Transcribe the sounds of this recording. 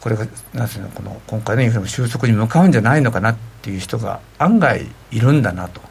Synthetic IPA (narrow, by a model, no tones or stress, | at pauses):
ko̞ɾe̞ɡanãnd̪snḛko̞no̰kõ̞ŋkajniɯɾemoɕɨːso̞kɯ̟ɲ̟imɯ̟kaɯ̟̃ɲ̟d͡ʑanaino̞kanat̪ːejɯ̟çi̥t̪o̞ɡa̰ | ãŋɡaḭː | ɾɯ̟̃nd̪anat̪o̞̥